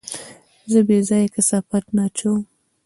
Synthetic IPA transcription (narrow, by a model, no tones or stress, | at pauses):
zəbezɑjkasafat̪nɑt͡ʃow